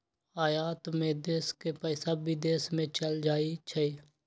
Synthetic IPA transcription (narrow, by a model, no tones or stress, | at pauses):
aːjaːt̪mẽd̪eːskepəsabid̪eːsmẽt͡ʃəld͡ʒaːit͡ʃʰəi